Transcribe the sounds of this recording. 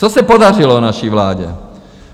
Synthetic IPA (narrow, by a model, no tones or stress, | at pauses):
t͡sɔsɛpɔd̪arilɔnaʃiʋla̰ːɟɛ̰